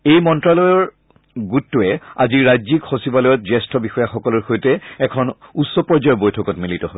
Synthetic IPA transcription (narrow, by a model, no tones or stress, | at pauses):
ejmɔntɹalɔjɔɹ | ɡutːuɛaziɹɹajzikxosibalɔjɔt̚zɛstʰɔbixɔjaxɔkɔlɔɹxojtɛɛkʰɔnutsɔpɔɹzajɔbojtʰɔkɔtmilitɔɦo